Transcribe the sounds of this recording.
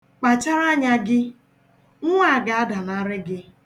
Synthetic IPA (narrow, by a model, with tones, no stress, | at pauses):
k͡pa˨t͡ʃa˦ɾa˦ɲa˦ɡɪ˦ | ŋ̩˦ŋʷa˦˨ɡa˨a˦da˨na˦ɾɪ˦ɡɪ˦